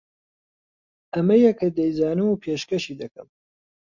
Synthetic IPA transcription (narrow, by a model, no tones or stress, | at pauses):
ɐmɐjɛkɐd̪ɛjzaːnɨmupʰeːʃkɐʃid̪ɐkɨ̰m